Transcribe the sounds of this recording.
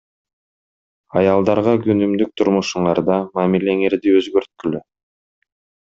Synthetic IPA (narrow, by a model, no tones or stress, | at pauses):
ɑjɑlˠd̪ɑɾʁɑɡynymd̪yk̚t̪ʰʊɾmuʃuɴɑɾd̪ɑmamile̞ŋe̞ɾd̪iøzɡøɾt̪̚kylø